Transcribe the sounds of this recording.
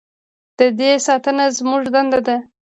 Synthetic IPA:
d̪̥əd̪esɑt̪ənazmuʐd̪and̪ad̪a

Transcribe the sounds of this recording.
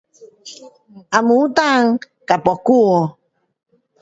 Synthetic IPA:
amuut̪aŋ | kapɔku

